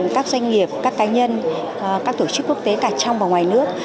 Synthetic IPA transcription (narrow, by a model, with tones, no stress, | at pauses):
nkaː˦˥k̚zwjŋ̟ŋi˨˩əp̚kaː˦˥kːaː˨˦ɲə˧n | kaː˦˥k̚t̪o˧˩t͡ɕɨ˦˥kːu˦˥ək̚t̪e˨˦kaː˧˩t͡ɕa˧wŋ͡mvaː˨˩ŋwaː˨˩jnɨ˦˥ək̚